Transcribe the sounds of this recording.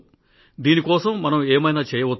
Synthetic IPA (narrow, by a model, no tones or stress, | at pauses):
d̪iːnikɔːsɐmːɐnɐmeːmɐjnaːt͡ʃɛːjɐʋɐt̪ː